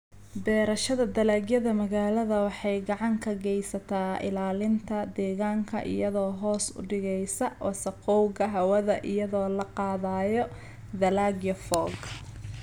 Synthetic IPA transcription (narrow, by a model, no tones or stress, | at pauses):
bɛːɾɐʃɐðɐd̪ɐlaːɡjɐðɐmɐɣaːlɐðɐwɑħɑjɡɑʕɑŋkʰɐɡɛjsɐt̪ʰaːɪ̰laːlɪnt̪ʰɐd̪ɛːɣaːŋkʰɐ̰ʔɪ̰jɐðɔːɦɔːsʊ̰ɖɪɣɛjsɐwɑ̰sɐqɔwɣɐɦɐwɐðɐʔɪjɐðɔːlɐqɑːðaːjɔ | d̪ɐlaːɡjɔfɔːɡ